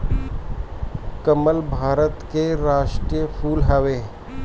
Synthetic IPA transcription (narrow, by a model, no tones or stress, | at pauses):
kəməlbʱaːɾət̪keɾaːʃʈɾijəpʰuːlɦəʋeː